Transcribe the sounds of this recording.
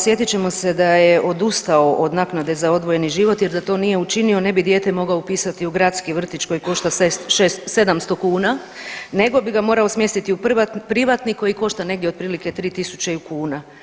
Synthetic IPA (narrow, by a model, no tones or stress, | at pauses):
sje̞t̪it͡ɕe̞mo̞se̞d̪ajeʔo̞d̪ust̪ao̞ʔod̪naknad̪e̞zao̞d̪ʋo̞je̞niʒiʋo̞t̪jeɾd̪at̪o̞nije̞ut͡ʃinio̞ne̞bid̪je̞ːt̪emo̞ɡaoupiːsat̪iuɡɾat̪skiʋr̩t̪it͡ʃko̞jiko̞ʃt̪asesʃesse̞d̪amst̪o̞kuːna | ne̞ɡo̞biɡamo̞ːɾaosmje̞st̪it̪iupapɾiʋat̪niko̞jiko̞ʃt̪ane̞ɡd̪jeo̞d̪̚pɾiːlike̞t̪ɾiːt̪isut͡ʃeukuːna